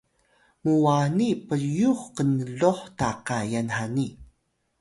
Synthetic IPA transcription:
muwanipəɾjuχqənɮoħtaqajanhani

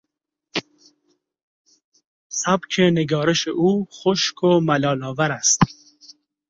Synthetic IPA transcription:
sabkʰeneɡɒːɾeʃeʔuːχoʃkʰomalɒːlɔːvaɾæst̪

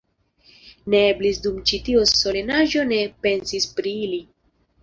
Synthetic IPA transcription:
ne̞eblisdumt͡ʃitiosso̞lenaʒo̞ne̞pe̞nsispɾiili

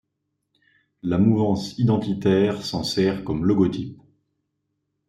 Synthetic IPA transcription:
lamuvɑ̃sid̪ɑ̃t̪it̪ɛʁsɑ̃sɛʁkɔmlɔɡɔt̪ip̚

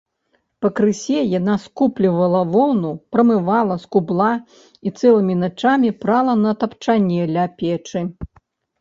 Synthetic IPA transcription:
pɐkɾɨsʲɛjanaskuplʲivɐlˠɐvɔwnupɾɐmɨvalˠɐskublˠa | it̪sɛlˠɨmʲinat͡ʂamʲipɾalˠɐnɐt̪ɐpt͡ʂanʲɛlʲapʲɛt͡ʂɨ

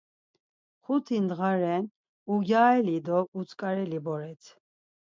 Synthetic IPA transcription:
χut̪ʰind̪ʁaɾɛn | uɡaːɛlid̪ɔut͡sʼkʼaɾɛlibɔɾɛt͡sʰ

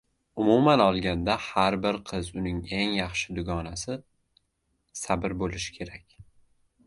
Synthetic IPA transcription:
ʊmumanɒlˠɡʲand̪ahaɾbɪɾqʰɨzʊnɪŋe̞ŋjɑχʃɪd̪ʊɡɒnasɪ | sabɪɾbolɪʃɪ̥kʲʰe̞ɾakʲ

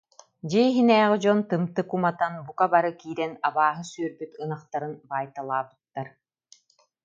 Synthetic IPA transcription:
d͡ʑiɦinɛːʁid͡ʑɔnt̪ɯmt̪ɯkumat̪anbukabaɾɯkiːɾɛnabaːɦɯsyœɾbyt̪ɯnaχt̪aɾɯnbaːjt̪alˠaːbɯ̥t̪ːaɾ

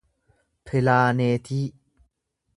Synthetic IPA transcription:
pʰelaːneːt̪ʰiː

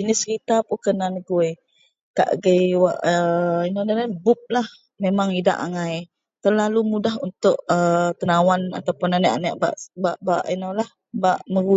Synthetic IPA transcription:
d͡ʒinɪsəkit̪apukənanəɡuj | ka̰ʔɡəjwa̰ʔəinodanabʊp̚lah | memaŋida̰ʔaŋaj | t̪ərlalumudaɦunt̪ʊʔət̪ənawana̰t̪awpʊnanaʔa̰naʔba̰ʔbaʔbaʔinalah | baʔməɡu

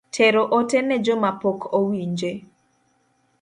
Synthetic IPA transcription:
tʰeɾoʔotɛnɛd͡ʒomapokʰowiɲd͡ʒe

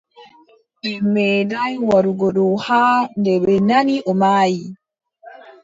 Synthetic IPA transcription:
dɛmɛdajwaɾuɡɔɗɔhaːndɛɓɛnaniʔɔmaːji

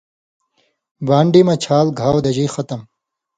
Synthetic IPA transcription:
baːɳɖimɐt͡ɕʰaːlɡʱaːwd̪ɐd͡ʑiːxɐt̪ɐm

